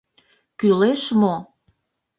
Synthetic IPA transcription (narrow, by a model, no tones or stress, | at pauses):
kyleʃmo